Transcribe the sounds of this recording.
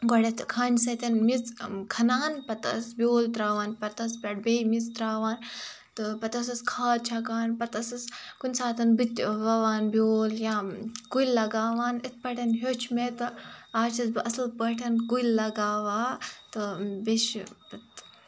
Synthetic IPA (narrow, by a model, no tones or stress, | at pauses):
ɡɔɽʲɐt̪kʰɐɳʲsɐt̪ʲɐnmit͡skʰɐnaːnpɐt̪ɐ̰sbʲoːlt̪ɾaːʋaːnpɐt̪ɐspʲɐʈ̚bejmit͡st̪ɾaːʋaːn | t̪ɨpɐt̪ɐsɐskʰaːd̪̚t͡ʃʰɐkaːnpɐt̪ɐsɐskunʲsaːt̪ɐnbɨt̪ʲʋɐʋaːnbʲoːljãɡujlːɐɡaːʋaːnit̪̚ʰpɐʈʰɐnɦot͡ʃʰmet̪ɨaːt͡ʃʰɐsɐslpɐʈʰɐnɡujlːɐɡaːʋaːt̪ɨbeʃpɐt̪